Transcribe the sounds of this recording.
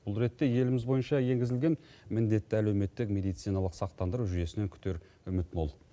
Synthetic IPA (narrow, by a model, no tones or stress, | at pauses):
b̥ʊlˠɾe̞t̪ːe̞je̞lɪmɪzbo̞jənʃɑje̞ŋɡʲɪzɪlɡʲe̞nmɪnd̪e̞t̪ːɪælewme̞t̪ːɪkmʲe̞d̪ijt̪sijnɑlˠəqsɑq̚t̪ɑnd̪əɾuʒʏje̞sɪne̞ŋkʲʰt̪e̞ɾ | ʏmɪt̪mo̞̰lˠ